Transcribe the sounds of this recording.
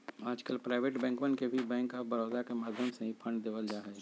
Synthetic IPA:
aːd͡ʒkəlpɾaːɪʋeːʈbɛ̃ːŋkmənkebʱibɛ̃ːŋkːabɐɾɔːd̪akemaːd̪ʱjəmsẽɦĩpʰɐ̃ɳɖd̪eːʋəld͡ʒaːɦɛ

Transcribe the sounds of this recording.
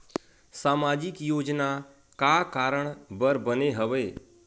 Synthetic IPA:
saːmaːd͡ʒɪkjoːd͡ʒna | kakaːɾəɳ̃bəɾbəneɦəʋeː

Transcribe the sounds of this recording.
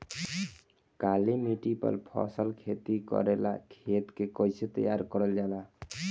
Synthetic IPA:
kalimiʈipʌ̰ɾpʰɔ̰səlkʰet̪ikɔ̰ɾela̰kʰet̪kekɔjset̪ə̰jaɾkɔɾəld͡ʒala

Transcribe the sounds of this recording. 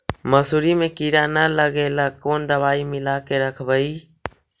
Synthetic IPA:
məsuːɾimẽkiɾanələɡeləkoːnd̪əbaːimɪlakeɾəkʰbəiː

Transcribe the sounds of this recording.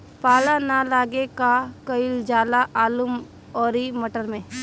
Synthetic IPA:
paːlanalaːɡekakəɪld͡ʒaːlaʔaːlum | ɔːɾiməʈəɾmẽ

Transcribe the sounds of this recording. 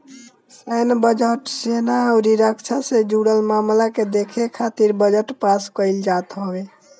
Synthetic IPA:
sɛnbəd͡ʒəʈsenaɔɾiɾəkt͡ʃʰased͡ʒuɽəlmamlaked̪ekʰekʰat̪iɾbəd͡ʒəʈpaskəɪld͡ʒat̪ɦɔbe

